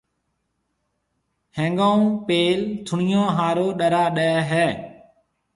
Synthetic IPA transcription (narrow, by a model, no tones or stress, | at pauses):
hẽːŋɡaːũːpeːlt̪ʰʊɳɪjõːɦaːɾoːɗəɾaːɗəɛɦɛː